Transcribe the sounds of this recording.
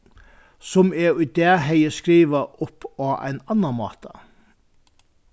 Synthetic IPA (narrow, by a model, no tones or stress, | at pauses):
sɔmɛʊd̪eːɦeɪəskɾiːʋəʔʊpːɑːæ̰ɪnɑnɑmɑ̰ːt̪ʰə